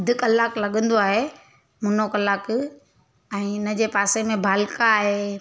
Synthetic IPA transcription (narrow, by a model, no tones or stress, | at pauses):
d̪ʱɪkɐlaːklɐɠə̃nd̪oaːɦe | mʊnokɐlaːk | ɛ̃ːʊnəd͡ʑeːpaːsemẽbʱaːlkaːɦeː